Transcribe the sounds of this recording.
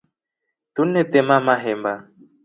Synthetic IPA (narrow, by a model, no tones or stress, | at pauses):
t̪unɛt̪ɛmamaɦɛmba